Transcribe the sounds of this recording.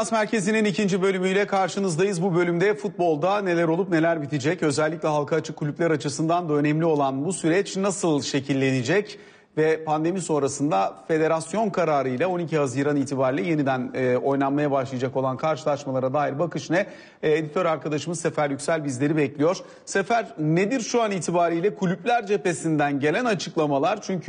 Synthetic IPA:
ansmæɾcʰe̞zininicʰind͡ʒibø̞lʲymyjlʲɛkʰaɾʃɯnɯzd̪ajɯzbubø̞lʲymd̪ɛfut̪̚bo̞lˠd̪ane̞lʲæɾolˠupne̞lʲæɾbit̪ʰid͡ʒɛcø̞zælʲːiclʲɛɦalˠkʰaːt͡ʃʰɯkʰːulʲyplʲæɾat͡ʃʰɯsɯnd̪and̪aø̞nɛmlʲio̞lˠanbusyɾɛt͡ʃnasɯlˠʃe̞cʰilʲːe̞nid͡ʒɛc | vɛpʰand̪e̞miso̞nɾasɯnd̪afe̞d̪e̞ɾasjo̞nkʰaɾaːɾɯjlʲɛo̞nicʰiɦaziːɾaniːt̪ʰibaːɾilʲɛje̞nid̪ænːo̞jnˠanmajabaʃlˠɯjad͡ʒako̞lˠankʰaɾʃɯlˠaʃmalˠaɾad̪aːɦiɾbakʰɯʃnɛ | ed̪it̪ʰøɾaɾkʰad̪aʃɯmɯze̞fæɾjycsælʲbizlʲe̞ɾibɛclʲijo̞ɾ̥ | se̞fæɾned̪iɾʃuaniːt̪ʰibaːɾɯjlʲɛkʰulʲyplʲæɾd͡ʒe̞pe̞sind̪ænɟe̞lʲænat͡ʃʰɯklˠamalˠaɾt͡ʃʰyɲcʰy

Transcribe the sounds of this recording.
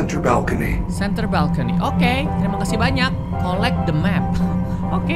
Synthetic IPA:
ɛ̃ntə˞ba̰lˠkənḭ | sɛnt̪ərbalkənḭʔoke | t̪ɾimakasɪbaɲakːolɛk̚d̪əmɛp̚ | oke

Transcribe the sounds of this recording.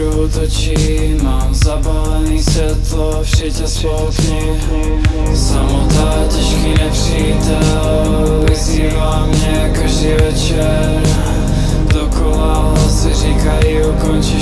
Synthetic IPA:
ɔt̪ɔt͡ʃimaːmzabalɛniːsvɛt̪lɔfʃɪɛcɛslɔt̪ɲi | samɔt̪aːcɛʃkiɲɛpriːt̪al | ʋiziːvamɲɛkaʒd̪iːvɛt͡ʃ | ɛ | ɾ | d̪ɔkɔlalsiriːkaiukɔnt͡ʃi

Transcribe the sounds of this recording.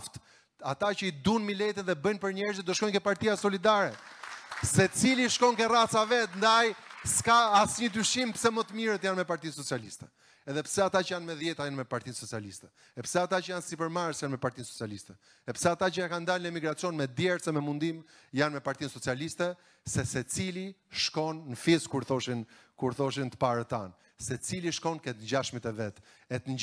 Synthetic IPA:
ft̪ | at̪at͡ʃəid̪unmilɛt̪ɛðɛbənpəɾɲɛɾzit̪̚d̪ɔʃkɔjnkɛpaɾt̪ijasɔlid̪aɾɛ | sɛt͡siliʃkɔŋkɛrat͡savɛt̪nd̪ajskaːsɲəd̪yʃimpə̥sɛmət̪əmiɾɛt̪janmɛpaɾt̪insɔt͡sialist̪ɛ̥ | ɛðɛpə̥sɛat̪at͡ʃəjanmɛðjɛt̪ajɛnmɛpaɾt̪insɔt͡sialist̪ɛ | ɛpə̥sɛat̪at͡ʃəjansipəɾmaɾsjanmɛpaɾt̪insɔt͡sialist̪ɛ | ɛpə̥sɛat̪at͡ʃəɛkand̪alnəɛmiɡɾat͡sijɔnmɛd̪jɛɾsɛmɛmund̪im | janmɛpaɾt̪insɔt͡sialist̪ɛ | sɛsɛt͡siliʃkɔnːəfiskuɾθɔʃinkuɾθɔʃ̬int̪ə̥paɾət̪an | sɛt͡siliʃkɔnkɛt̪nɟaʃmit̪ɛvɛt̪ | ɛt̪əɲ

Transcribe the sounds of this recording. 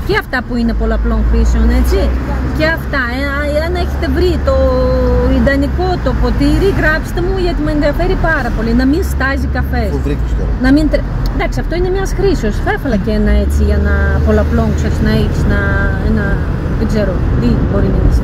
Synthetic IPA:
ceɐft̪ɐpuinepo̞lɐplo̞ŋxɾiseone̞t͡si | ceɐft̪ɐe | eɐne̞çe̥t̪e̞vɾit̪o̞ | ind̪ɐniko̞t̪o̞po̞t̪iɾiɣɾɐpi̥st̪e̞muʝɐt̪imuenðiɐfe̞ɾipɐɾɐpo̞linɐminst̪ɐzikɐfe̞svɾikest̪o̰nɐmint̪ɾe | nd̪ɐksiɐft̪o̞ine̞mɲɐsxɾisio̞sθefɐlɐceenɐe̞t͡siʝɐnɐpo̞lɐplo̞ŋkset̪sinɐiçesnɐenɐ | ðeɡze̞ɾo̞ðibo̞ɾinɐinis

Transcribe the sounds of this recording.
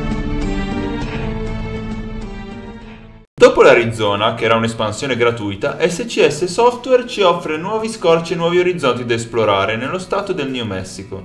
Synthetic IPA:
d̪oːpolaɾid̪zɔːnakeɛːɾaunespansjoːneɡɾat̪ujt̪aʔɛsːet͡ʃiɛsːesɔft̪wɛrt͡ʃiɔfːɾenwɔːviskɔrt͡ʃienwɔːvioɾid̪zɔnt̪id̪aesploɾaːɾenelːost̪aːt̪od̪elneomɛsːiko

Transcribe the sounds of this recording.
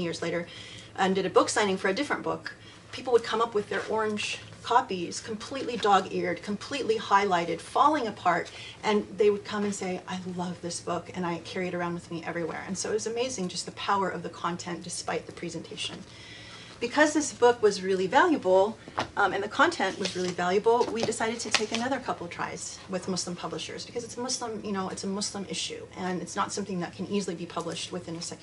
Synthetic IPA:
jɪɹzleɪɾə˞ʔɛ̃ndɨɾɨbʊksãɪ̃ñɪ̃ŋfə˞ɨdɪfɹɨ̃nb̥ʊ̰k | pʰipl̩ˠwəd̚kʰʌ̃mʌpwɨðə˞ʔɔɹɨ̃nʒ̥ | kʰɑpiz̥kʰm̩pʰl̥iʔˡlidɔɡɪɹd̚kʰm̩pʰl̥iʔˡlihaɪlaɪɾɨd̥fɑlˠɪ̃ŋɨpʰɑɹt | ʔɨ̃nðeɪwɨd̚kʰʌ̃mɨ̃nseɪʔaɪlʌvðɪsb̥ʊkɨ̃ñaɪkʰɛɹiɨɾə˞ãʊ̃ndwɨðmiʔɛvɹiwɛ̰ɹɨ̰̃nsoʊɨt̚wʌzɨmeɪzɪ̃ŋd͡ʒʌst̪̚ðɨpʰaʊə˞ʔʌvðɨkʰɑ̃ntʰɛ̃nd̥ɨspaɪt̪̚ðɨpʰɹ̥izɨ̃ntʰeɪʃɨ̰̃n | b̥ɨkʰʌzðɪsb̥ʊkwʌzɹɪlˠivælˠjɨbl̩ˠɨ̃nðɨkʰɑ̃ntʰɛ̃nʔwʌzɹɪlˠivælˠjɨbl̩ˠwidɨsaɪɾɨd̚tʰɨtʰeɪkɨnʌðə˞kʰʌpl̩ˠtʰɹ̥a̰ɪz̥ | wɨðmʊslə̃mpʰʌbləʃə̰˞zb̥ɨkʰʌzɨtsəmʊslə̃mjɨñoʊʔɨtsəmʊslə̃mʔɪʃʉ̰ʔɨ̃nɨtsnətsʌ̃mθɪ̃ŋðɨt̚kʰɨ̃nizl̩ˠibipʰʌblɨʃt̚wɨθɪ̃nɨsɛk

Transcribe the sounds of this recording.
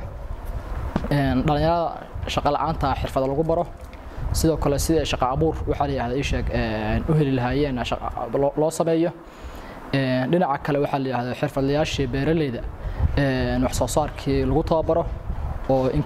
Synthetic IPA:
ɛːnɖɐlɪ̃njɐɾɐðɐ̰ʃɑqɑlɑ̰ʕaːnt̪ʰɐħɪrfɐðɐlɐɣʊbɐɾɔ | sɪðɔːkʰɐlɛsɪðɛjʃɑqɑːβuːrwɑħɑlɐjɾaːðɔɪʃɛːɡɛnʊɦɛlɪlɐɦaːjɛːnʃlɔːsɐmɛːjɔ | ɛːnɖɪnɑʕɑkʰɐlɛwɑħɑlɐjɾaːhðɔħɪrfɐðɐjaːʃibɛːɾɐlɛjðɐɛːnwɑħsɔːsaːrkʰiːlɐɣʊt̪ʰɐwaːbɐɾɔɔːʔɪŋ

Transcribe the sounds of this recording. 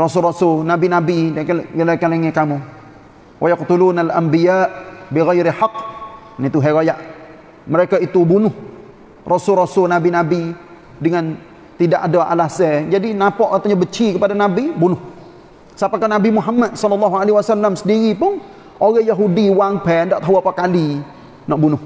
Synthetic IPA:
rɔsʊlrɔsʊlnabinabiɡlakaleŋɛkamu | wʔajakt̪ulunalʔambijaːʔbiɣajɾɪħɑqː | nit̪uɦaɣojaʔ | məɾekait̪ubunʊh | rʔɔsʊlrɔsʊlnabinabi | dəŋan | t̪idaʔadaʔa̰lasɛd͡ʒadinapɔʔat̪aɲabət͡ʃikəpadanabibunʊh | sapakanabimuɦamːat̪̚sɔlːɔlːɑɦualeɦiwasalːamsədiɾipʊn | oɣajaɦudiwaŋpɛndaʔt̪aɦuapakali | nɔʔbunʊh

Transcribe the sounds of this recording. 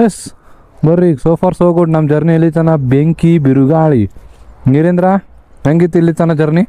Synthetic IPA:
jes | bɐɾːisoːpʰaːɾsoːɡoɖnɐmd͡ʒɐɾniɐlːit̪ɐnɐbeŋkibiɾuɡaːɭḭniɾend̪ɾaɐŋɡit̪ilːit̪ɐnɐd͡ʒɐɾni

